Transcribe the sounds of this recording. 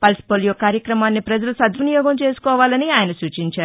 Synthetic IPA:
pɐlspoljokaːɾjɐkɾɐmaːnːipɾɐd͡ʒɐlusɐd̪ʋɐnijɔːɡɐmt͡ʃe̞ːsu̥kɔːʋaːlɐniaːjɐnɐsuːt͡ʃiɲt͡ʃaːɾu

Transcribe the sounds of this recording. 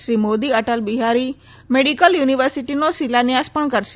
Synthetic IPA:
ʃɾiːmoːd̪iɐʈəlbiɦaːɾi | meːɖikəljuːniʋəɾsiʈinosilanɪjaːspəɽ̃kɐɾs

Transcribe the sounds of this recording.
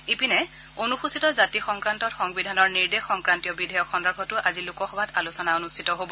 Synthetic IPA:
epinɛ | onuxusitɔzatixɔŋkɹantɔtxɔŋbidʱanɔɹniɹdexɔŋkɹantijɔbidʱɔjɔkxɔndakʰɔtʊʔazilukɔxɔbʱatalusɔnaonustʰitɔɦobɔ

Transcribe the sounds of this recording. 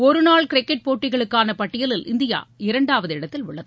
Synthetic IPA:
ɔɾɯnaːɭkɪɾɪkːɛʈ̚poːʈːɪɣɐɭɯkːaːnɐpɐʈːɪjɐlɪlʔɪnd̪ɪja̰ːɪɾɐɳɖaːʋɐðɯɪɽɐt̪ːɪlʊɭːɐðɯ

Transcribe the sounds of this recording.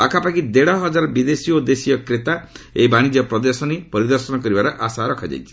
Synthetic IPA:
a̰kʰapakid̪eɽɔɦɔd͡ʒaɾɔbid̪esiod̪esijɔkɾet̪aejbaɽ̃id͡ʒiɔpɾɔd̪ɔsɔnipɔɾid̪ɔɾsɔnɔkɔɾibaɾɔʔasaɾɔkʰɔd͡ʒa̰jt͡ʃʰi̥

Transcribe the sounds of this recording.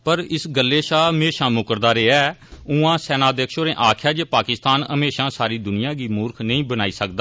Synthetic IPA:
pəɾɪsɡəlːeːʃaːmeːʃãːmʊkəɾd̪aːɾeːɛːʊ̃ãːsɛːnaːd̪eːkʰʃoːɾẽːʔaːkʰjaːd͡ʒeːpaːkɪst̪aːnəmeːʃãːsaːɾiːd̪ʊnɪjãːɡiːmʊːɾkʰnəĩːbənaːiːsək̚d̪aː

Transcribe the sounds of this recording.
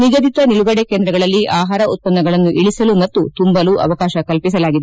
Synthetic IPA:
niɡɐd̪it̪ɐniɭuɡɐɽekeːnd̪ɾɐɡɐɭɐlːiʔaːɦaːɾɐut̪̚pɐnːɐɡɐɭɐnːuʔiɭisɐlumɐt̪ːut̪umbɐluʔɐ̰ʋɐkaːʃɐkɐlpis̬ɐlaːɡid̪e

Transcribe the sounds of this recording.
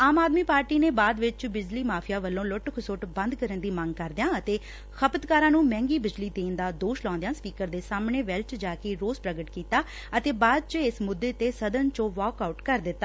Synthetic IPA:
aːmaːd̪miːpaːɾʈiːneːbaːd̪ʋɪt͡ʃbɪd͡ʒliːmaːpʰɪjaːʋəlːõːlʊʈkʰʊsʊʈbə̃nd̪kəɾənd̪iːməŋɡkəɾd̪ɪjãːət̪eː | xʰəpət̪kaːɾãːnũːmɛ̃ːŋɡiːbɪd͡ʒliːt̪eːnd̪aːd̪oːʃlɔ̃ːnd̪jaːspiːkəɾd̪eːsaːmɳeːʋɛlt͡ʃd͡ʒaːkeːɾoːzpɾəɡəʈkiːt̪aː | ət̪eːbaːd̪̚t͡ʃɪsmʊd̪ːeːt̪eːsəd̪ənt͡ʃõːʋɔːkaːuʈkəɾd̪ɪt̪ːaː

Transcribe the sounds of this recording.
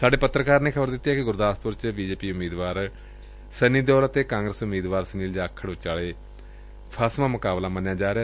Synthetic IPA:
saːɖeːpət̪ɾəkaːɾneːkʰəbəɾd̪ɪt̪ːjaːkɪɡʊɾd̪aːspʊɾt͡ʃbiːd͡ʒeːpiːʊmːiːd̪ʋaːɾ | səniːd̪ɔːɾət̪eːkãːŋɡɾəsʊmːiːd̪ʋaːɾsəniːld͡ʒaːkʰːəɽʋɪt͡ʃaːleː | pʰaːsmãːmʊkaːblaːmənjaːd͡ʒaːɾeaː

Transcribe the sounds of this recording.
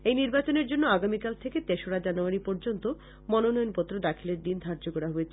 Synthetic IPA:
ejniɾbat͡ɕoneɾd͡ʑonːoaɡamikalt̪ʰeket̪eʃoɽad͡ʑanuaɾipɔɾd͡ʑont̪o | mɔnonɔjonpot̪ːɾod̪akʰileɾd̪ind̪ʱaɾd͡ʑokɔɾaɦoet͡ɕʰe

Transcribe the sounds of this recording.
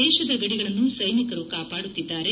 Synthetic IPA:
ɛːʃɐd̪ɐɡɐɽiɡɐɭɐnːusɐjnikɐɾukaːpaːɽut̪ːid̪ːaːɾe

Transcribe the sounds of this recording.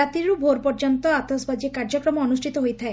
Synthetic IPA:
at̪iɾubʱoɾpɔɾd͡ʒɔnt̪ɔat̪ɔsbad͡ʒikaɾd͡ʒɔkɾɔmɔɔnusʈʰit̪ɔɦojt̪ʰae

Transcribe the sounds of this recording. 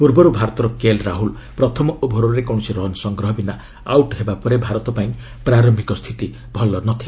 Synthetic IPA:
puɾbɔɾubʱaɾɔt̪ɔɾɔkelɾaɦul | pɾɔt̪ʰɔmɔubʱɔɾɔɾekɔ̃usiɾɔnsɔŋɡɾɔɦɔbina | awʈɦebapɔɾebʱaɾɔt̪ɔpaĩ | pɾaɾɔmbʱikɔst̪ʰit̪i | bʱɔlɔnɔt̪ʰi

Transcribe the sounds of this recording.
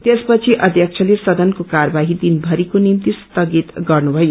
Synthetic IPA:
t̪espʌt͡sʰiʔʌd̪ʱjʌk̚t͡sʰʌlesʌd̪ʌnkokarbaɦid̪inbʱʌɾikonimt̪ist̪ʌɡit̪ɡʌrnubʱʌjo

